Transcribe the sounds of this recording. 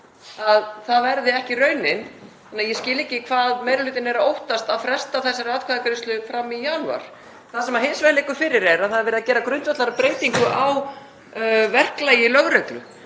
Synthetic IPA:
aðθaðvɛɾðɪɛhcɪrœːɥnɪnθɛnːajɛscɪːlɛcɪkʰvaːðmeːjɾalʏːt̪ɪnɛɾaowht̪ast̪aðfɾɛ̥st̪aθɛsːaɾaːðkʰvaːðakɾɪst̪ʏkfɾamːijaːna̰ɾ̥ | θasɛmaɦɪnsvɛlekʏfɪɾɪɾɛɾaðθaðɾvɛɾɪðacɛːɾakɾʏnt̪vœt̪laɾapɾeːjt̪iŋkʏʔaw | vɛr̥klaːjɪlœɣɾœklʏ

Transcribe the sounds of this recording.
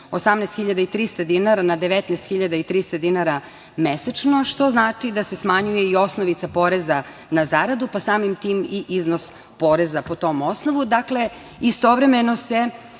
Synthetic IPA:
osamnɛst̪xiʎad̪ait̪ɾist̪ad̪inaɾanad̪eʋɛt̪nɛst̪xiʎad̪ait̪ɾist̪ad̪inaɾa | mesat͡ʃnoʂt̪o̞znaːt͡ʂid̪ase̞smaɲujeio̞snoʋit̪sapoɾeza | nazaɾad̪upasaːmimt̪iːmiʔiznos | poɾezapo̞t̪o̞mo̞snoʋud̪akle̞ | ist̪o̞ʋɾemenose

